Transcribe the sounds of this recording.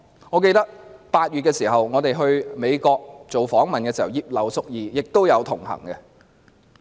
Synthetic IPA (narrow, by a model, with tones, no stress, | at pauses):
ŋɔː˨˧k̬e˧jt̪ɐ˥k̚paː˧t̚ɥyː˨t̚kɛː˧siː˨˩ɦɐ˨wŋɔː˨˧t̪e˨jɦɵ˧ɥme˨˧jkɔː˧k̚t͡so˨wfɔː˨˥ŋmɐ˨nkɛː˧si˨˩hɐ˨˩wjiː˧p̚lɐ˨˩wsʊ˥k̚jiː˨˧jɪ˨k̚t̪o˥wjɐ˨˧wt̪ʰʊ˨˩ŋhɐ̰˨˩ŋkɛ˧